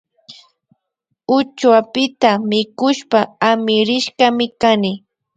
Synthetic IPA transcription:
ʊt͡ʃwapɪt̪amɪkʊʃpaamɪɾɪʃkamɪkanɪ

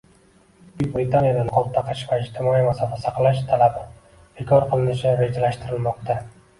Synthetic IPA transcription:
bʊbɾɪt̪ʰanijad̪anqʰɒlˠt̪ʰːaqʰɨʃvaɪd͡ʒt̪ʰɪmɒimasɒfasaqlˠaʃt̪ʰalab | b̥ekʰɒɾqʰəlˠɪnɪʃɪɾe̞d͡ʒalaʃt̪ʰɪɾɪlmɒqt̪ʰa

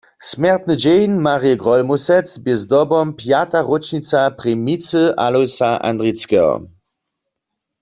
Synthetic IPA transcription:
smɛʁt̪nəd͡ʒejnmaʁijɛɡʁɔlmusɛt͡sbjezd̪ɔbɔmpjat̪aʁot͡ʃnit͡sapʁɛmit͡səʔalɔjsaʔa̰ndʁit͡skɛɔ̰

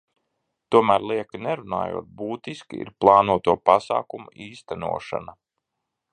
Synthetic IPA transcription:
t̪uɔmæːɾlˠiɛkɨnɛɾuna̰ːjṵːt̪̚buːt̪iskiḭɾplˠɑːnuɔt̪uɔpasa̰ːkumuʔiːst̪ænṵɔʃa̰na

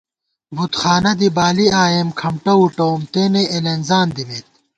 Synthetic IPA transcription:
bʱut̪xaːnɐd̪ibaːliaːjemkʰɐmʈɐuʈoːmt̪eːneʔelɐnzaːnd̪imeːt̪̚

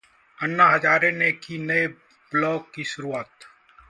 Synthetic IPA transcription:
ənːaːɦɐd͡ʒaːɾenekinɐe | blɔːkːiʃʊɾuaːt̪

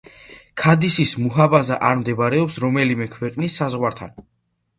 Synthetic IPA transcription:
kʰad̪isismuɦabazaʔaɾmd̪ɛbaɾɛɔpsɾɔmɛlimɛkʰwɛqʼnisːazʁwaɾt̪ʰa̰n

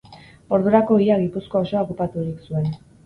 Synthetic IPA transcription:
o̞ɾðuɾako̞iaɣipusko̞oso̞akupat̪uɾiksue̞n

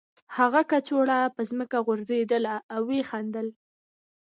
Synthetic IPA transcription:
haɣakat͡ʃoɽapəzməkaɣʊɾzed̪əlaːwːexand̪əl

